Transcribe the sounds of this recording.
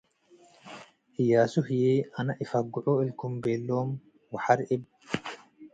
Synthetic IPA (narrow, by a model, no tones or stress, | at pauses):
ʔɪjaːsʊhɪjeːʔɐnɐʔɪfɐɡːʊʔɔːɪlkʊmbeːlːoːm | wɐħɐɾɪb